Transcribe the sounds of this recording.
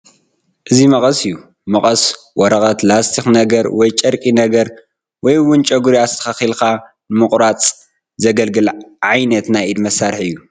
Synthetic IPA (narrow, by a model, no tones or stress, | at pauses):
ʔɨzimɐχʼɐsɨjːu | mɐχʼɐs | wɔɾɐχʼɐt̪ʰlast̪ʰixnɐɡɐɾwɔjt͡ʃʼɐɾkʼinɐɡɐɾ | wɔjwʊnt͡ʃʼɐɡuɾijast̪ʰɐ̥xaxilkʰa | nɨmɨχʼɾat͡sʼ | zɐɡɐlɡɨlʕajnɐt̪najʔid̪mɐsːaɾħɨjːu